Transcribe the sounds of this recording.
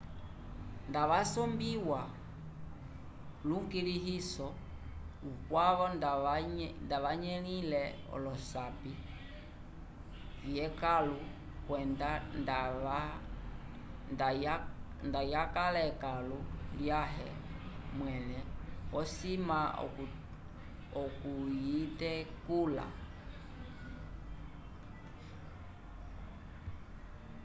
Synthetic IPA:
ndaʋasɔmbiwa | luŋɡiliɦisɔ | ukwaβɔ | ndaʋaɲɛlilɛ | ɔ̰lɔsapi | vjɛkalu | kwɛndandaa | da | ndajakalɛkaluljaɦɛmwɛnɛwɔsima̰ | ɔkujitɛkula̰

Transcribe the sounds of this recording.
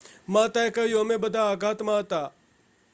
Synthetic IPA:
mãːt̪aːekɐijomẽːbəd̪ʱaːɡʱaːt̪mãːət̪aː

